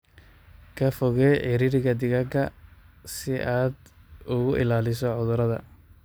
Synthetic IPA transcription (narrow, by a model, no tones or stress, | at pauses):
kʰɐfɔɣɛħɪɾɪɾɪɣɐd̪ɪɣɐɡɐ | sɪʔaːd̪ʊɣʊʔɪ̰laːlɪs̬ɔʕʊðʊɾɐðɐ̰